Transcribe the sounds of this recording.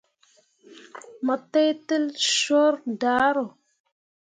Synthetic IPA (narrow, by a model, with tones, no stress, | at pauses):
mə˨te˦jtə˦lʃo˦ɾda˨˦ɾo˨